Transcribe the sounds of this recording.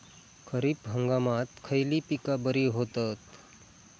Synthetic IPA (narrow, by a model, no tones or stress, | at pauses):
kʰəɾipɦə̃ŋɡamaːt̪kʰəjlipikabəɾiɦoːt̪ət̪